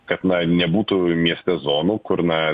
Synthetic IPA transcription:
kɐt̪nɐnʲɛbuːt̪umʲiɛsʲt̪ʲɛzoːnuːkʊɾnɐ

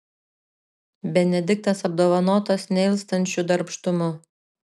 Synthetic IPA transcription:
bʲɛnʲɛd̪ʲɪk̚t̪ɐsɐb̚d̪oːʋɐnoːt̪osnʲɛɪlˠst̪ɐnʲt͡ʃʲud̪ɐɾpʃt̪ʊmʊ

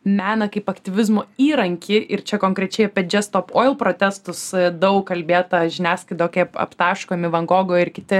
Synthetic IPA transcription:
mʲæːnɐkɐɪpɐkt̪ʲɪʋʲɪzmoːiːɾɐŋʲkʲɪʔɪɾt͡ʃʲɛkoːŋkɾʲɛt͡ʃʲɛɪjpʲɛd͡ʒʲɛst̪oːpoːɪlˠpɾoːt̪ʲɛst̪ʊsd̪ɐʊkkːɐlʲbʲeːt̪ɐʒʲɪnʲæːskɐɪd̪oːkʲɛɐpɐ̰pt̪ɑːʃkoːmʲɪʋɐŋɡoːɡoːɪrkʲɪt̪ʲɪ

